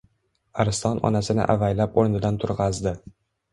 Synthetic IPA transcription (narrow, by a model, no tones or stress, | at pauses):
aɾɪst̪ʰɒnɒ̰nasɪnɪ̰ʔa̰vajlapoɾnɪd̪ant̪ʰʊɾʁɑzd̪ɪ